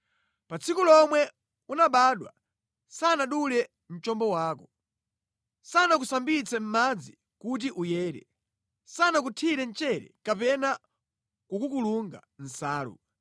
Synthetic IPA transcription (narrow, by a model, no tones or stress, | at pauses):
pat͡sʰikulɔmwɛ | unaɓaːɗwa̰ | sanaɗulɛ | m̩t͡ʃɔmbɔwaːkɔ | sanak̬usambit͡sʰɛm̩mad͡zi | kut̬iʔujɛːɾɛ̰ | sanak̬utʰiɾɛnt͡ʃɛɾɛ̰kapɛna | kukukuluŋɡa̰n̩saːlṵ